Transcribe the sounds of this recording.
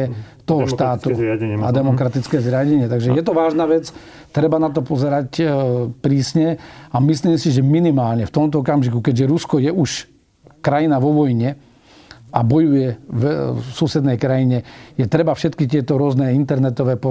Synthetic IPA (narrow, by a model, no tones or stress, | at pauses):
ɛt̪ɔɦɔʃt̪aːt̪uad̪ɛmɔkɾat̪it͡skɛːzɾɪaɟɛɲɪɛt̪aɡʒɛjɛt̪ɔʋaːʒnaʋɛt͡s | t̪ɾɛbanat̪ɔpɔzɛɾacpɾiːsɲɛamisliːmsiʒɛminimaːlɲɛft̪ɔmt̪ɔɔkamʒikukɛɟʒɛɾuskɔjɛuʃ | kɾajinaʋɔʋɔjɲɛ | abɔjujɛʋsusɛd̪nɛjkɾajiɲɛjɛt̪ɾɛbafʃɛt̪kit̪̬ɪɛt̪ɔɾʊɔznɛːint̪ɛɾnɛt̪ɔʋɛːpɔ